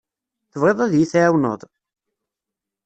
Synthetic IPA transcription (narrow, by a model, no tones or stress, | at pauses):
θəvʁeðˤæðjiθaʕwnə̰ðˤ